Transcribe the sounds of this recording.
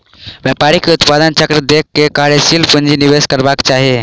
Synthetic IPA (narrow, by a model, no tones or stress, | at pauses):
bjapaɾikːeut̪pad̪ənt͡ʃəkɾəd̪ekːekaɾesilpund͡ʒiniʋeskəɾbakt͡ʃaɦe